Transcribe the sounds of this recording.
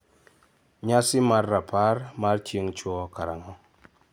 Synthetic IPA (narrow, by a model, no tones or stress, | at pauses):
ɲasimaɾːapʰaɾmaɾtiŋt͡ʃokaɾa̰ŋa